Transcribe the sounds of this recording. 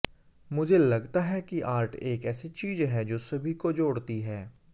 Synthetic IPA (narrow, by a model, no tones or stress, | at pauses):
mʊd͡ʒʱelɐɡt̪aɦɛkiʔaːɾʈʰeːkɛːsit͡ʃiːzɦɛd͡ʒoːsɐbʱikod͡ʒoːɽt̪iɦɛː